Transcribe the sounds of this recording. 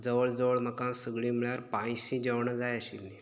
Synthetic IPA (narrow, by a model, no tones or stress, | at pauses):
d͡zəʋəɭd͡zəʋəɭməkãsəɡɭiːmiɭjaɾpãjsĩd͡ʑəʋɳəd͡zajəɕilni